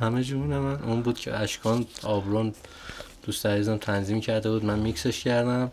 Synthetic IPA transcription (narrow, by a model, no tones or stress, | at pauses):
hæmed͡ʒuuːnemænuːnbuːd̪̥cʰḛæʃkʰɒːnɒbɾon | d̪̥ust̪æɾiːzæmt̪ʰænziːmcʰæɾd̪ebuːd̪mænmikse̞ʃcʰæɾd̪æm